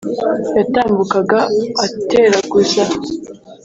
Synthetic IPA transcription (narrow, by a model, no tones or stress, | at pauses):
jataːmbukaɡaːtʰe̞ːɾaɡusa